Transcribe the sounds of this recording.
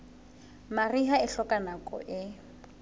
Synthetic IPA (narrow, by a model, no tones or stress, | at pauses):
mariɦaɪɬɔkʼanakʼɔ̰ʔɪ